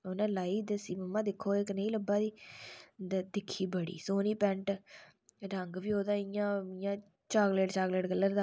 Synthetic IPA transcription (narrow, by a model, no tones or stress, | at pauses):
onãːlaːiːd̪əsiːməmːãːd̪ɪkʰːoːɪknəĩːləbaːd̪iːd̪d̪ɪkʰːiːbəɽḭːsoːniːpɛ̃ɳʈ | ɖəŋɡbiːoːd̪aːɪjãːɪjãː | t͡ʃaːɡleːʈt͡ʃaːɡleːʈɡəlːəɾd̪aː